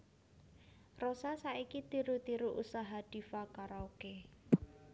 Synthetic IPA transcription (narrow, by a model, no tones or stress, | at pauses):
rosasaikit̪iɾut̪iɾuʔusaɦad̪̥i̤fakaɾauke